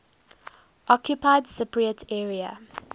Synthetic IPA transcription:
ʔɔkʰjʊpʰaɪdsɪpɹiətʰɛːɹiə̰

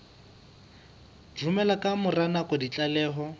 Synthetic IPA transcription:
rumɛlakʼamʊranakʼɔdit͡ɬʼalɛːɦɔ

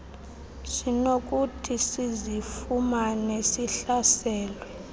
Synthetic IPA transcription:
sinok̬utʰisizifumanesiɬasɛːlwɛ

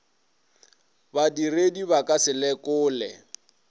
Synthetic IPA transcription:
badirediβakʼasɪlɛkʊːlɛ̰

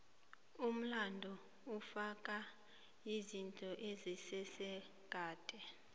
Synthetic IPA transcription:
um̩landʱɔ | ufakʼa | izintʼɔʔezisɛsɛ | ɡ̥ʱaːtʼɛ

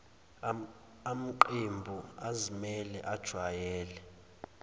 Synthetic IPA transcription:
am̩ǃembʱuazimɛlɛ̰ʔad̥ʒ̥ʱwajɛːlɛ

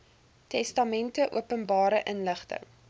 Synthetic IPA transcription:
tɛstɐmɛntəʔṵəpənbɑːɾəʔənləχtə̰

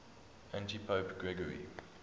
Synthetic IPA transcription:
ʔæ̃ntipʰəːpɡ̥ɹɛɡəɹḭ

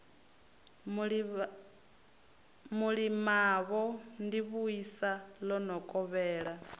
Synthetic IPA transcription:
muɺimaβɔndiβuisalɔnɔkʼɔβɛːɺa

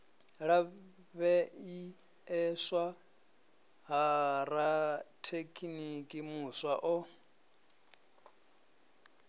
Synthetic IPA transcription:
ɺa | βɛi | ɛswa | ɦaɾatʰekʰʼinikʼimuswaʔɔ

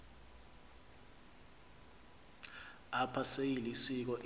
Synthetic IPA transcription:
apʰasejilisik̬ɔʔ

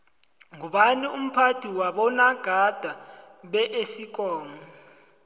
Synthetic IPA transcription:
ŋuɓanium̩pʰatʰiwaɓɔnaɡ̥ʱad̥ʱa | ɓɛʔesik̬ʼɔːŋɔ

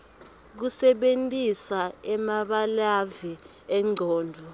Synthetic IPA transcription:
k̬usɛɓentʼisaɛmaɓalavɛ | ɛŋ͡ǀʱɔːndʱɔ

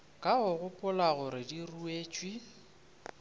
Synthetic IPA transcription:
kʼaɣʊɣʊpʼʊlaɣʊɾɪdirueːt͡ʃʼwi

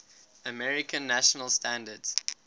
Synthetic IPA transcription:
əmɛɹɪkʰə̃nːæʃənəlˠstãndədz̥

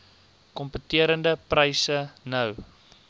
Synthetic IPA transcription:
kɔmpətiəɾəndəprəjsənəw

